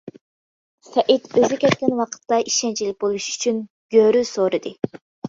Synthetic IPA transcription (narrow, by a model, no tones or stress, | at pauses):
sɛʔit̪øzykʲʰɛt̪̚kʲɛnwɑqʰə̥t̪ːɑiʃɛnt͡ʃʰilɪk̚ʲbolˠuʃy̥t͡ʃʰyn | ɡ̥ʲøɾysoɾɨd̪ɨ